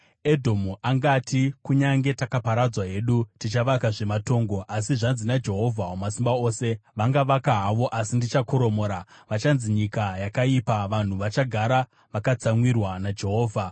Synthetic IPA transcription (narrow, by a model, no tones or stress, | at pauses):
e̞dʱo̞muʔaŋɡatʰikuɲaŋɡe̞takapaɾad͡zwaɦe̞ɗutit͡ʃaʋakaʐe̞mato̞ːŋɡo̞ʔasiʐanzinad͡ʒe̞ɦo̞vʱaɦomasimbaoːse̞ʋaŋɡaʋakaɦaʋo̞ʔasindit͡ʃakoɾo̞mo̞ːɾaʋat͡ʃanziɲikajakaipaʋan̤uʋat͡ʃaɡʱaɾa | ʋakat͡samwirwanad͡ʒe̞ɦo̞ːvʱa